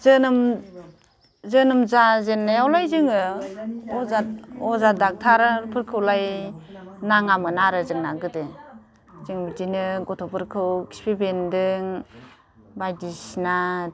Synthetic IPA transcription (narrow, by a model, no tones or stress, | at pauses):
zɯnɯm | zɯnɯmzazenːajawlajzɯŋɯ | ɔzat̚ɔzadak̚tʰaɾɯpʰɯɾkʰɯwlaj | naŋamɯnaɾɯzɯŋnaɡɯde | zɯŋbidinɯɡɔtʰɔpʰɯɾkʰɯwki̥spʰibendɯŋ | bajdisna